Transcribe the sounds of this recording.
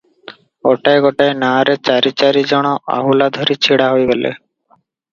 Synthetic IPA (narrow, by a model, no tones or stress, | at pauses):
ɡɔʈajɡɔʈaenaɾet͡ɕaɾit͡ʃaɾid͡ʒɔɽ̃ɔʔa̰ɦulad̪ʱɔɾit͡ɕʰiɽaɦojɡɔlḛ